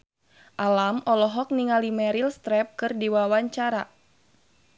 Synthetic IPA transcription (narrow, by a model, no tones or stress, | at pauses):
ʔalamɔlɔɦɔk̚niŋalimɛɾilst̪ɾɛp̚kɨrdiwawaɲt͡ʃaɾa